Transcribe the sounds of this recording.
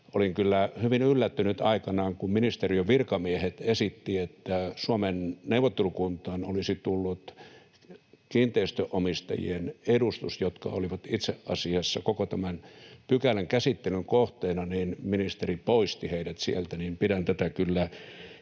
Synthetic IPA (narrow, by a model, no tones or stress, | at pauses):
oliŋkylːæhyʋinylːæt̪ːynyt̪ɑikɑnɑːŋkumminist̪erioʋirkɑmiehet̪esit̪ːiet̪ːæsuɑmenneuʋˑot̪ːelukunt̪ˑɑːnolisit̪ulːut̪ | kiːnt̪eist̪øʔomist̪ɑ̰jḭenedust̪usjot̪kɑ̰oliʋɑt̪it̪seʔʔɑ̰siɑsːɑkokot̪æmænpykæleŋkæsit̪ːelyŋkoht̪eːnɑniːnminist̪eripoist̪iheidæt̪sielt̪ænimpiɾænt̪æt̪ækylːæ